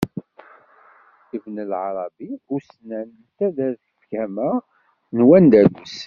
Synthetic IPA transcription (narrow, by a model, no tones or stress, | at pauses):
ivnəlʕɑɾˤɑbiʊɾsnæn | t̪ːæðæɾθəfkæmæ | nwænd̪ælus